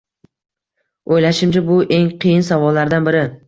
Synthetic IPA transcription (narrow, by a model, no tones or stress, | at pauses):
ojlaʃɪmd͡ʒʰabʊʔe̞ŋqʰɨjɪnsavɒlːaɾd̪anbɪɾɪ